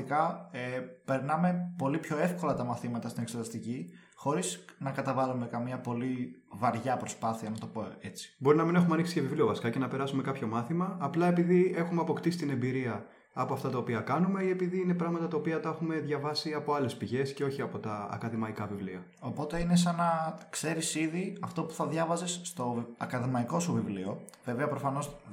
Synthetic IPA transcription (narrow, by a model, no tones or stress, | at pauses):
ikɐepe̞ɾnɐme̞po̞lipço̞e̞fko̞lɐt̪ɐmɐθimɐt̪ɐst̪ineksot̪ɐst̪ici | xo̞ɾiznɐkɐt̪ɐvɐlume̞kɐmɲɐpo̞livɐɾʝɐpɾo̞spɐθiɐnɐt̪o̞po̞e̞t͡si̥bo̞ɾinɐmine̞xumeɐniksicevivliovɐsi̥kɐce̞nɐpe̞ɾɐsume̞kɐpço̞mɐθimɐːplɐe̞piðie̞xumeɐpo̞kt̪isi̥t̪ine̞mbiɾiɐː | poɐft̪ɐt̪ɐo̞piɐkɐnume̞ie̞piðiine̞pɾɐɣmɐt̪ɐt̪ɐopiɐt̪ɐexume̞ðʝɐvɐsiɐpo̞ɐle̞spiʝe̞sce̞o̞çiɐpo̞t̪ɐɐ̰kɐðimɐikɐvivliɐ | o̞po̞t̪e̞ine̞sɐnɐkse̞ɾisiðiɐft̪o̞pu̥θɐðʝɐvɐzesːt̪o̞ɐkɐðimɐiko̞suvivlio̞ve̞veɐpɾo̞fɐno̞z